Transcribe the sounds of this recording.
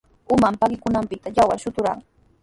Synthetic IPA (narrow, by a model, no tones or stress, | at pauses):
ʊmampakɪkʊnampɪt̪ajawa̰ʃʊt̪ʊɾa̰ŋ